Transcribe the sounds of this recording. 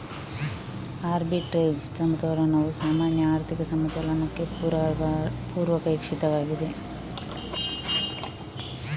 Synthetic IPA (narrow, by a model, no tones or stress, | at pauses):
aːɾbiʈɾeːd͡ʒsɐmɐt̪ɐlɐnɐʋusaːmaːnjɐaːɾt̪ʰikɐsɐmɐt̪ɐlɐnɐkːe̞ | puːɾʋɐkɐikʂit̪ɐʋaːɡid̪e̞